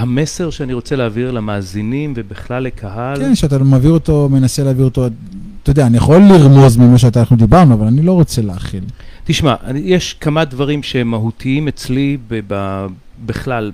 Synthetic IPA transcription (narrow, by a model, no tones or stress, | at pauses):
hameseʁʃeaniʁo̞t͡seleaviʁlamaːzinimvebiχlalːekʰahalkenʃeat̪amaviʁot̪o̞me̞naseleaviʁot̪o | t̪ːodeaːnijaχo̞lːiʁmozmimaʃ̬eat̪anaχnud̪ibaʁnuavalanilo̞ʁo̞t͡se̞leaχilt̪iʃmaʔanjeʃkamad̪vaʁimʃehemːaɦutʰiimet͡slibeba | beχlal